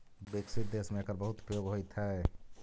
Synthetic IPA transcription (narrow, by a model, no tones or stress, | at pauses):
beksit̪̚d̪eːsmẽkəɾbəɦut̪u̥pjoɡɦojt̪ʰɛ